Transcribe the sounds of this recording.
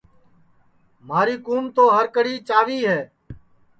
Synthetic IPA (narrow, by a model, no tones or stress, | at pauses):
m̤aːɾiːkuːmt̪oːɦəɾkəɽiːt͡ʃaːʋiːɦɛː